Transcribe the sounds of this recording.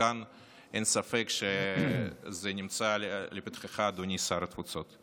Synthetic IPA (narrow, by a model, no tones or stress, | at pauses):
an | ensafekʃe | zenʲimt͡salepi̥t̪χeχaːd̪onʲisaɾɐt̪fut͡so̞t̪